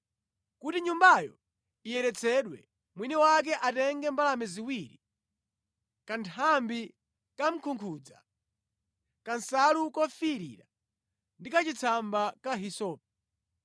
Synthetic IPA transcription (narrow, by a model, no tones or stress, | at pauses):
kutiɲumbajɔ̰ | ijɛɾɛt͡sʰɛɗwɛ | mwiniwak̬ɛʔatɛŋɡɛmbalamɛziwiɾḭ | kantʰambi | kam̩kʰuŋkʰud͡za̰ | kansalukɔfiɾḭɾa | ndikat͡ʃit͡sʰambakaɦisɔːp̚ɛ